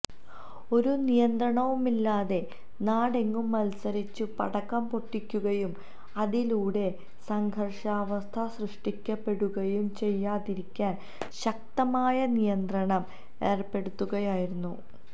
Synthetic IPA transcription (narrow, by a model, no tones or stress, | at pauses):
o̞ɾunijɐnd̪rɐɳɐʋumilːaːðe̞ | naːɽe̞ŋːumːɐlsɐɾit͡ɕːɨpɐɽɐkːɐmpo̞ʈːikʲːuɣɐjum | ɐðiluːɽe̞ | sɐŋɡʱɐrʂɐːʋɐst̪ʰɐsrɨʂʈikʲːɐpːe̞ɽuɣɐjumt͡ɕe̞jːaːðiɾikʲːaːn | ɕɐk̚t̪ɐmaːjɐnijɐnd̪rɐɳɐm | e̞ːrpːe̞ɽut̪ːuɣɐjaːjiɾunːu